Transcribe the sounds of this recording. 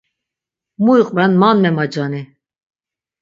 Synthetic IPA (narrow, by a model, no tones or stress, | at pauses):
muiqʼvɛnmanmɛmad͡ʒani